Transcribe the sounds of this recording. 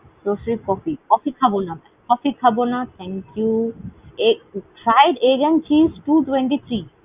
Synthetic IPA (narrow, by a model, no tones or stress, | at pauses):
soʃɾikɔfikɔfikʰabonabɛkɔfikʰabonat̪ʰɛŋkju | efɾajɖeɡent͡ɕisʈuʈweɳʈit̪ʰɾi